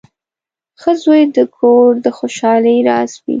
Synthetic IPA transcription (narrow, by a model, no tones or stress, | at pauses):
xəzojd̪əkʰoɾd̪əxoʃɑləjɾɑswḭ